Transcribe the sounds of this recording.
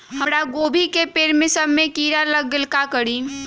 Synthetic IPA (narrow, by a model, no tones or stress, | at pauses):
həɾaɡoːbʱikepeːɾmɪsəɾmẽkiːɾaləɡːɪlkakəɽiː